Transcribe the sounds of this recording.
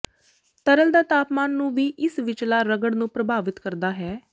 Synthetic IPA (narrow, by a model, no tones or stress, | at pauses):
t̪əɾəld̪aːt̪aːpmaːnːũːʋiːʔɪsʋɪt͡ʃlaːɾəɡəɽnũːpɾəbʱaːʋɪt̪kəɾd̪aːɦɛː